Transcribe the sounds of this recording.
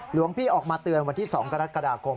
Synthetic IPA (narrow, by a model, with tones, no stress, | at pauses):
lu˨˩˦əŋpʰiː˥˩ʔɔː˨˩k̚maː˧t̪ɯ˧ənwa˧nt̪ʰiː˥˩sɔː˩˦ŋka˧ɾa˦˥kːa˧daː˧kʰo˧m